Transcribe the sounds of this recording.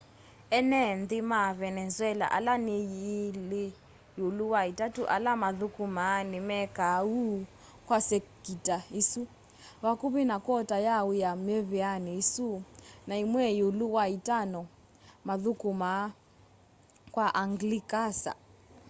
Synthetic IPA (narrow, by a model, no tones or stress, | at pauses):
ɛnɛnd̪imavɛnɛzwɛla̰ʔa̰lanijilɪ | juluwaitʼatuʔa̰lamaðukʼumanimɛkau | kwasekitʼaisu | βakuβinakʼɔtʼajaujameβianiisunaimwɛjuluwaitʼanɔ | maðukʼuma | kʼwaʔaŋɡlikʼasa̰